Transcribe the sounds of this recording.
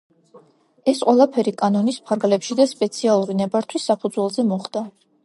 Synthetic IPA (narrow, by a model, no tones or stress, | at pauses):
ɛsqʼwɛlˠapʰɛɾikʼanɔnispʰaɾɡlɛpʃid̪aspʼɛt̪sʰialˠuɾinɛbaɾt̪ʰwisːapʰud̪zwɛlˠzɛmɔχd̪a